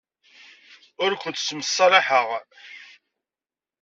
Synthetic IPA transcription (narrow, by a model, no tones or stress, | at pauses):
ʊɾkʷʊnt̪sməsˤːɑɾˤɑħəʁ